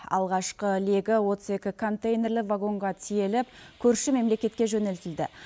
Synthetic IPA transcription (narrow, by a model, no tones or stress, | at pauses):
ɑ̰lˠʁɑʃqəle̞ɡʲɪwo̞t̪əze̞kʲɪkʰo̞nt̪ejne̞rləvaɡo̞ɴʁɑt̪ʰije̞lɪp̚kʲʰɵɾʃɪme̞mle̞kʲe̞t̪̚kʲe̞ʒɵnɪlt̪ɪld̪ɪ